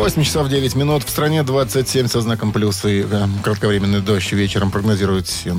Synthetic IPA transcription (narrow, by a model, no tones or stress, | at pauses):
vo̞sʲɪmʲt͡ɕɪ̥sovdʲevʲɪtʲmʲɪnut̪fst̪ɾɐnʲed̪vat̪sətʲsʲemʲsʲɐznakəmplʲusɨikɾət̪̚kəvɾʲemʲɪnːʊjd̪oɕvʲet͡ɕɪɾəmpɾəɡnɐzʲiɾʊjʊt̪ʲ